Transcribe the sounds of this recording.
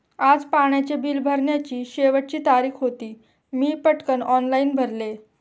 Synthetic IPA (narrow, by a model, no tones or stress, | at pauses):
ad͡zpaɳjat͡ɕebʱiːlbʱəɾɳjat͡ɕiːɕeʋəʈ̚t͡ɕiːt̪aɾiːxɦot̪iː | miːpəʈkənɔnlaiːnbʱəɾle